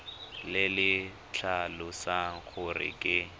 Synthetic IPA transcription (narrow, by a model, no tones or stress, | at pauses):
lɪlɪ | t͡ɬʰalʊsaɣʊrɪ̰kʼɪ